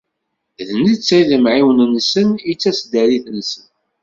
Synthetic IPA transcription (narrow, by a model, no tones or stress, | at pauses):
ðnit͡sːæðəmʕiwnnːsənit͡sːæsd̪æɾiθnsən